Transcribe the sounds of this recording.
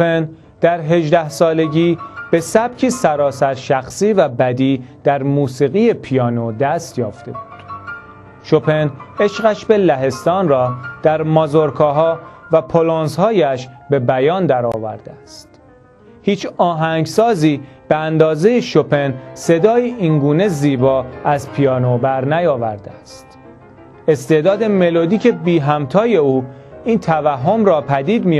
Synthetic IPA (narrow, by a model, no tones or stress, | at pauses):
open | d̪̥æɾɦe̞ʒd̪æhsɒːle̞ɟiːb̥e̞sæb̥̚cʰiːsæɾɒːsæɾʃæxsiːvæbæd̪iːd̪̥æɾmuːsiːɣiːje̞pʰijɒːnod̪æst̪jɒːft̪e̞̰buːd̪̥ | ʃopʰe̞ne̞ʃɢæʃbe̞læɦe̞st̪ɒːnrɒːd̪̥æɾmɒzoɾkʰɒːɦɒːvæpʰoloːnszhɒːjæʃbe̞bæjɒːnd̪æɾɒ̰ːvæ̰ɾd̪̥eæst̪ | hiːt͡ʃʰɒːɦæŋɟsɒːziːb̥eænd̪ɒːze̞jeʃope̞nse̞d̪ɒːjiʔiːnɡuːne̞ziːbɒːæzpʰijɒːnobæɾnæjɒːvæ̰ɾd̪eæst̪ | e̞st̪e̞ːʔd̪ɒːd̪e̞me̞lod̪iːcʰe̞biːɦæmt̪ʰɒːje̞uː | iːnt̪ʰævæɦːomɾɒːpʰæd̪iːd̪miː